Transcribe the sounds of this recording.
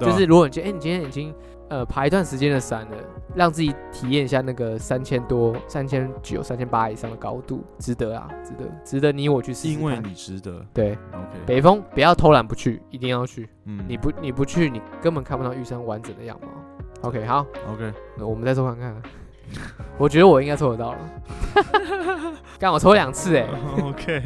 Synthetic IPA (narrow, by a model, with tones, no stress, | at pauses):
t͡ɕo˧ʊʂ̬ɻ̩˥˩˨ɻu˧˥kɔ˨i˨˥˧n˨˩t͡ɕĩ˥ŋnʰjɛ˥˦ni˨˩t͡ɕi˦ŋ | ə˧pʰa˧˥i˧˥t̪wa˥˩nʂɻ̩˧˥t͡ɕjɛ˥nd̪ə˨sa˨˩nlə˦ɻɑ˥˧ŋt͡sɹ̩˥˩t͡ɕi˨˩˦t̪ʰi˨˩jɛ˥˩ni˧ɕja˥˧na˥˩ɡə˩sa˦nt͡ɕʰjɛ˥nt̪wɔ˦sa˦nt͡ɕʰjɛ˥nt͡ɕo̰˨˩ʊsa˥nt͡ɕʰjɛ˥npa˦˥i˨˩ʂɑ˥˩ŋd̪ə˩kɑ˥ʊt̪ṵ˥˩ʈ͡ʂɻ̩˧˥t̪ə˧˦a̰˨ʈ͡ʂɻ̩˧˥t̪ə̰˧˦ʈ͡ʂɻ̩˧˥d̪ə˧˦ni˧˥wɔ˨˩t͡ɕʰy˥˩s̩˧˦ŋwe˥˨ni˨˩ɻ̩˧˥t̪ə˦t̪we˥˩ɪo˧kʰpe˨˩ɪfɤ˦ŋpu˨˩jɑ˥˩ʊt̪ʰo˥ʊla˧˥npu˧˦t͡ɕʰy̰˥˩i˧˥t̪i˥˧ŋjɑ˥˧ʊt͡ɕʰy˥˩ | ni˨˩pu˧˦ni˨˩pu˧˦t͡ɕʰy˥˩ni˨˩kə˥˦npə˨˩nkʰa˥˩˨pu˧t̪ɑ˥˧ʊy˥˩ʂŋwa˧˦nʈ͡ʂə˨˩nd̪ə˦jɑ̰˥˩ŋma̰˨˦o˨˧ʊkʰe˥xɑ˨˦ʊo˧ke˥˨˩wɔ˨˩mə˦nt͡sa˥˧ɪt͡sʰo˥kʰa˥ŋkʰa˥˩nə˨˩ | wɔ˨˩t͡ɕɥɛ˧˥d̪ə˧wɔ˨˩i˥ŋka˥ɪt͡sʰɔ˥˧˩o˧t̪ɑ˥˩ʊlə̰˩ | ka˥nwt͡sʰo˥lljɑ˨˩ŋt͡sʰɹ̩˥˩e˨˩okʰe˥